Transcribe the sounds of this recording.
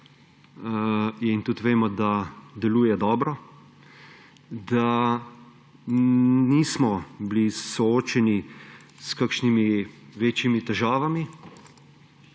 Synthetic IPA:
int̪ut̪ʋeːmɔd̪ad̪ɛluːjɛd̪ɔːbɾɔ | d̪a | niːsmɔblisɔoːt͡ʃɛni | skakʃnimiʋeːt͡ʃimit̪ɛʒaːʋami

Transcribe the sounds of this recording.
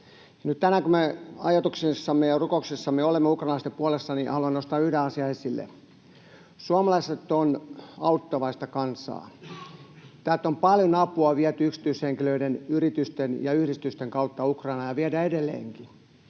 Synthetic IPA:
jɑnyt̪t̪ænækumeɑjɑt̪uksesːɑmːejɑrukoksesːɑmeolemːeukrɑːnɑlɑst̪epuolesːɑnihɑluɑnost̪ɑːyhdeɑsiɑesilːḛ | suɑmɑlɑiset̪ːˑonɑut̪ːɑʋɑist̪ɑkɑnsɑ̰ː | t̪æːt̪ːompɑljonɑpuɑʋiæt̪yyksi̥t̪yysheŋkiløidenyrit̪yst̪enjɑyhɾist̪yst̪eŋkɑut̪ːɑukrɑinɑjɑʋiæɾæedelːḛːŋki

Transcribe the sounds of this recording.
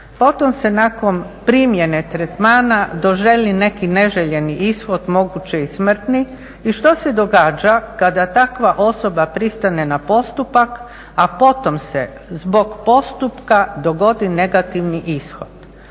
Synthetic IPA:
po̞t̪omse̞nako̞npɾimje̞ne̞t̪ɾet̪maːnad̪o̞ʒe̞line̞kine̞ʒeʎe̞niʔisxo̞d̪mo̞ɡut͡ɕeismr̩t̪ni | iʃt̪ose̞d̪oɡaːd͡ʒakad̪at̪akʋaʔo̞so̞bapɾist̪ane̞napo̞st̪upak | apo̞t̪o̞msḛ | zbo̞ɡpo̞st̪upkad̪o̞ɡo̞d̪ine̞ɡat̪iʋniʔisxo̞̰d̪̥

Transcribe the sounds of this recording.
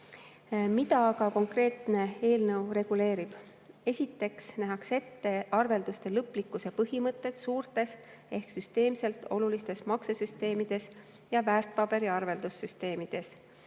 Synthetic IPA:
mit̪ɑkɑko̞ŋkre̞ːt̪ne̞e̞ːlnɤwre̞ɡ̥ule̞ːɾib̥ | e̞sʲit̪ːe̞ksnæɦɑkse̞t̪ːe̞ɑrve̞ld̪̥ust̪e̞lɤpːlikːˑuse̞pɤɦimɤt̪ːˑe̞t̪suːrt̪e̞s | e̞hksyst̪e̞ːmse̞lt̪o̞̰lulist̪e̞smɑksesyst̪e̞ːmid̪̥e̞s | jɑvæːrt̪̚pɑb̥e̞ɾiɑrve̞ld̪̥usːyst̪e̞ːmid̪̥e̞s

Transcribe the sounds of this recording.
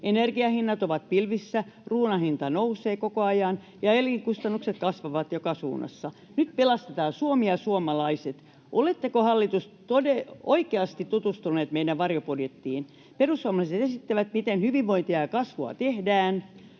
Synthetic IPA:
enerɡiɑhinːɑt̪oʋɑt̪̚pilʋisːæ | ruːnɑhint̪ɑnouseːkokoɑjɑn | jɑeliŋkust̪ɑnːukset̪kɑsʋɑʋɑt̪jokɑsṵːnɑ̰sːɑ | nyt̪pelɑst̪et̪ɑːsuomiɑsuomɑlɑiset̪ | ʔolet̪ːekohɑlːit̪us | t̪odeoikeɑst̪it̪t̪ut̪ust̪uneːt̪meidæʋʋɑrjopodjet̪ːiːn | perusːuɑmɑlɑiset̪esit̪ːæʋæt̪mit̪enhyʋiʋʋoint̪iɑjɑkɑsʋoɑ̰t̪ehdæːn

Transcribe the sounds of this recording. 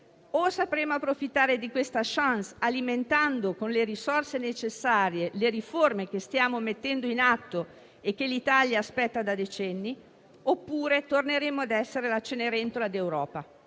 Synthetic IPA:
osapɾeːmoapːɾofit̪ːaːɾed̪ikwest̪aʃansaliment̪and̪okonleɾisorsenet͡ʃesːaːɾjeleɾiformek̟est̪jaːmomet̪ːɛnd̪oinat̪ːo | ekːelit̪aljaːspɛt̪ːad̪ad̪et͡ʃɛnːi | opːuːɾet̪orneɾeːmoad̪ɛsːeɾelat͡ʃːeneɾent̪olad̪ewɾɔːpa

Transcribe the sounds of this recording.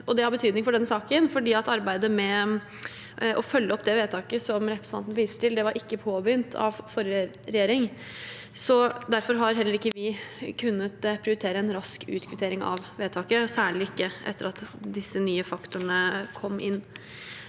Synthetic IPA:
ʔɔd̪ɛhɑɾbət̪ʰyːd̪nɪŋfɔɖɛnːəsɑːkənfɔɖiːɑt̪ɑɾbæɪd̪əmɛ | ʔɔfœlːəɔpːd̪ɛʋeːt̪ʰɑːkəsɔmɾɛpɾəsnʰɑ̰nt̪nəʋiːst̪əʈ̪ʰɪld̪ɛʋɑɾʔɪkːəpʰoːbʏnt̪ʰɑ̰ʋfɔɾə | ɾɛjeːɾɪŋ | sɔd̪æɾfɔɾɦɑɾɦɛlːəɾɪkːəʋɪkʰʉnːət̪pʰɾɪʊɾɪt̪ʰeːɾəɛnɾɑskʰʉ̰ːt̪kʰʋɪt̪ʰeːɾɪŋɑ̰ʋʋeːt̪ʰɑːkəsæːɭɪɪkːəʔɛ̰t̪ːəɾɑt̪d̪ɪsːənyːəfɑkt̪ʊɳəkʰɔmːʔɪ̰nː

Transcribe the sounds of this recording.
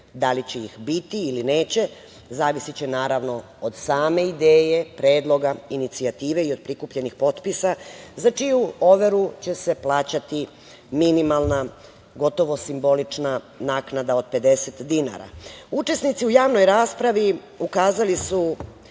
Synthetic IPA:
d̪alit͡ɕeixbit̪iiline̞ːt͡ɕe̞ | zaːʋisit͡ɕe̞naːɾaʋno | od̪saːme̞id̪eːje̞pɾeːd̪lˠo̞ɡainit̪siat̪iːʋe̞io̞d̪̚pɾikupʎe̞nixpo̞t̪pisazat͡ʂijuo̞ʋe̞ɾut͡ɕe̞se̞plˠaːt͡ɕat̪i | minimalˠna | ɡo̞t̪o̞ʋo̞simbo̞lit͡ʂna | naːknad̪ao̞d̪̚pe̞d̪e̞set̪d̪ina̰ɾa̰ut͡ʃe̞snit̪siujaːʋno̞jɾaːspɾaʋi | ukaːzalisu

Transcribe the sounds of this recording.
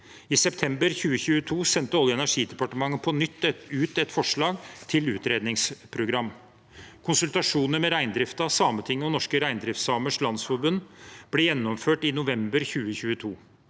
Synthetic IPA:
ɪsɛpt̪ʰɛmbəɾçʉːəçʉːət̪ʰuːsɛnt̪əɔljəɛnæʂiːd̪ɛpɑʈəmɑŋːəpʰɔnʏt̪ːɛʉːt̪ɛt̪fɔʂɭɑːɡt̪ʰɪlʉ̰ːt̪ɾeːd̪nɪŋspʰɾʊɡɾɑm | kʰʊnsʉlt̪ɑʂuːnəmɛɾæɪnd̪ɾɪft̪ɑsɑːmət̪ʰɪŋːəɔnɔʂkəɾæɪnd̪ɾɪft̪sɑːməʂlɑnsfɔɾbʉnːb̥lɛjɛnːɔmføːʈɪnʊʋɛmbəɾçʉːəçʉːət̪ʰuː

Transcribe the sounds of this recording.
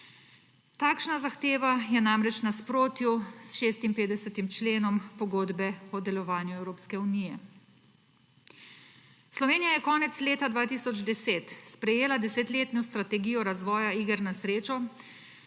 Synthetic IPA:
t̪aːkʃnazaxt̪eːʋajɛnamɾɛt͡ʃnaspɾoːt̪jusʃeːst̪impeːd̪ɛsɛt̪imt͡ʃleːnɔmpɔɡoːd̪bɛɔd̪ɛlɔʋaːnjuɛwɾoːpskɛuniːjɛ | slɔʋeːnijajɛkɔːnɛt̪sleːt̪ad̪ʋaːt̪iːsɔd͡ʒd̪ɛseːt̪spɾɛjeːlad̪ɛset̪leːt̪nɔst̪ɾat̪ɛɡijɔɾazʋɔːjaiːɡəɾnasɾeːt͡ʃɔ

